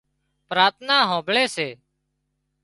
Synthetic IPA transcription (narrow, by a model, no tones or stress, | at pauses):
pɾaːt̪ʰnaːɦõːbɭeːseː